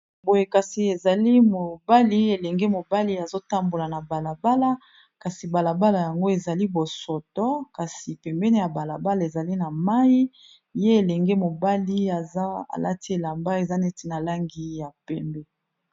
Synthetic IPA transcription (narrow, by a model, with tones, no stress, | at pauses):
bo˨je˨ka˨si˨e˨za˨li˦mo˨ba˦li˦e˨lɛ˨ŋɡɛ˦mo˨ba˦li˦a˨zo˦ta˦mbo˨la˨na˨ba˨la˨ba˦la˦ | ka˨si˨ba˨la˨ba˦la˨ja˨ŋɡo˦e˨za˨li˦bo˨sɔ˨tɔ˦ka˨si˨pɛ˨mbɛ˦ne˦ja˨ba˨la˨ba˦la˨e˨za˨li˦na˨ma˦ji˦ | je˦e˨lɛ˨ŋɡɛ˦mo˨ba˦li˦a˨za˦a̰˨la̰˦ti˦e˨la˨mba˦e˨za˦nɛ˦ti˦na˨la˦ŋɡi˦ja˨pɛ˦mbɛ˦